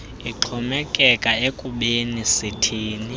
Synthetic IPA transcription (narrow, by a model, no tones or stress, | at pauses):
iǁʰɔmɛkʼɛkʼaekʼuɓenisitʰiːni